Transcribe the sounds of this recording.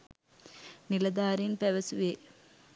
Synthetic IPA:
nilɐd̪aːɾinpeʋɐsuʋe

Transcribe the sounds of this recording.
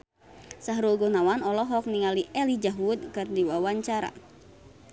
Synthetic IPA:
saɦɾulɡɔnawanɔlɔɦɔk̚niŋaliʔɛlid͡ʒaɦud̪̚kɨrdiwawaɲt͡ʃaɾa̰

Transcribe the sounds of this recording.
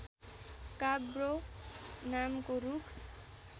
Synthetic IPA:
kabɾo | namkoɾukʰ

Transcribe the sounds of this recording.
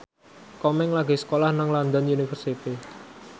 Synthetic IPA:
kɔmɛŋlaɡesə̥kolahnaŋland̪ɔnunifərsit̪i

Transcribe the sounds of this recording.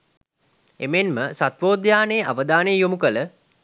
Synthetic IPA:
ḛmenməsat̪ʋoːd̪jaːnejːʔaʋəd̪aːnejjomukələ

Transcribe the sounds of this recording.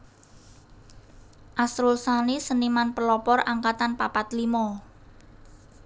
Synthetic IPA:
ʔasɾulsanisənimanpəlɔpɔrʔaŋkat̪anpapat̪limɔ

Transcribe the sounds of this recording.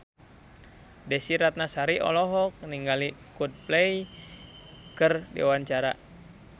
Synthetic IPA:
dɛsiɾat̪̚nasaɾiʔɔ̰lɔɦɔk̚niŋɡalikud̚plɛj | kərdḭwaɲt͡ʃaɾa̰

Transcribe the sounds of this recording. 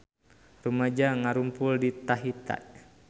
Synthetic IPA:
rumad͡ʒaŋaɾumpuldit̪aɦit̪a̰ʔ

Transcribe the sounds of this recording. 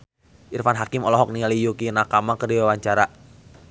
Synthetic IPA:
ʔirfanɦakɪmɔlɔɦɔk̚nialijukinakamakərdiwewaɲt͡ʃaɾa

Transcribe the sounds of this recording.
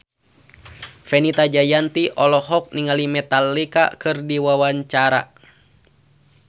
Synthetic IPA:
fɛnit̪ad͡ʒajant̪iʔɔlɔɦɔk̚niŋalimɛt̪alːika̰kɨrdiwawaɲt͡ʃaɾa̰

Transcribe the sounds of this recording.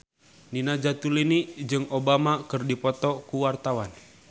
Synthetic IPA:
ninad͡ʒat̪ulinid͡ʒɨŋɔbamakɨrdipɔt̪ɔkuwart̪awan

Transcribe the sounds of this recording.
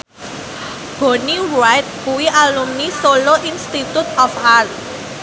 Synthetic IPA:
b̥o̤nirajt̪̚kuwiʔalumnisoloʔinst̪it̪ut̪ɔfart̪̚

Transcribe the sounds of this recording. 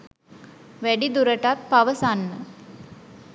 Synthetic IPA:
ʋeɖid̪uɾɐʈat̪̚pɐʋəsanːə

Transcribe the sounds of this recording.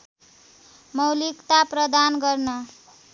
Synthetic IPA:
mʌwlikt̪aprʌd̪anɡʌrnʌ

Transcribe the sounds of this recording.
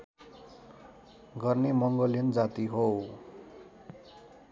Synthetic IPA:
ɡʌrnemʌŋɡʌlend͡zat̪iɦow

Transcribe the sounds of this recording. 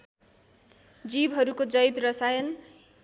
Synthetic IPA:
d͡zibɦʌɾukod͡zʌjbrʌsajʌn

